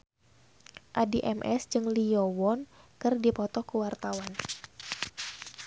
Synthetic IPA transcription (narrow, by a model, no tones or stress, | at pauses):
ʔadiʔɛmʔɛ̰sd͡ʒɨŋliɔwɔnkɨrdipɔt̪ɔkəwart̪awan